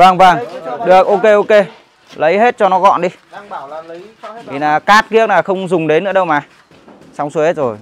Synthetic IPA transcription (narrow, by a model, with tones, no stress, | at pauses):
vaː˨˩ŋvaː˧˩ŋɗɨ˨˩ək̚ʔo˧ke˧ʔo˧ke˧ | lə˨˦jɦe˦˥t̚t͡ɕɔ˧nɔ˨˦ɣɔ̰˧˨nɗi˧ | t̪ʰi˨˩naː˨˩kaː˦˥t̚ki˦˥ək̚naː˨˩xə˧wŋ͡mzʊ˨˩ŋ͡mɗe˨˦nːɨ̰˧˥əɗə˧wmaː˨˩ | sa˨˧˦wŋ͡msu˧˦he˦˥t̚zo˨˩j